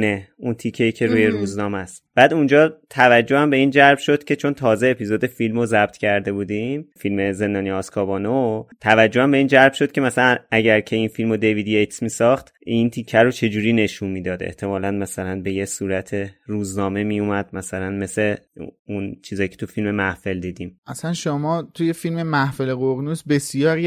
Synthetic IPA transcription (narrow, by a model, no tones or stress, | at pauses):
neunt̪ʰicʰːe̞iːcʰeɾuːje̞ɾuːznɒːmæst̪b̥æːd̪und͡ʒɒːt̪ʰævæd͡ʒːohæmbe̞iːnd͡ʒæɾbʃo̞d̪̥cʰʲe̞t͡ʃʰo̞nt̪ʰɒːze̞ːpʰizod̪e̞filmozæb̥̚t̪ʰcʰæɾd̪e̞buːd̪imfilme̞ze̞nd̪ɒːnijɒskʰɒːbɒːnot̪ʰævæd͡ʒːo̞hæmbe̞iːnd͡ʒæɾbʃo̞d̪̥cʰe̞mæsælænʔæɟæɾcʰe̞infilmod̪e̞vid̪jejt̪ʰsmiːsɒχt̪ | int̪ʰicʰːæɾot͡ʃʰe̞d͡ʒuːɾiːne̞ʃunmiːd̪ɒːd̪ḛht̪ʰe̞mɒːlænmæsælænbe̞jesuːɾæt̪ʰe̞ɾuːznɒːme̞mijumæd̪̥mæsælænme̞se̞unt͡ʃʰiːzɒːjcʰet̪ʰufilme̞mæhfe̞ld̪iːd̪imʔæsænʃomɒːt̪ʰuje̞filmemæhfeleɣoɣnusbe̞sijɒːɾ